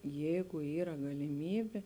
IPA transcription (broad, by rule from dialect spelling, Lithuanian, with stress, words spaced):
ˈjɛɪɡʊ ˈiːrɐ ɡɐlʲɪˈmʲiːbʲeː